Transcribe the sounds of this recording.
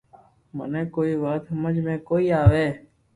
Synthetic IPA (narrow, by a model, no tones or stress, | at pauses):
mə̰neːkoːiːʋaːt̪ɦəməd͡ʒmẽːkoːiːaːʋeː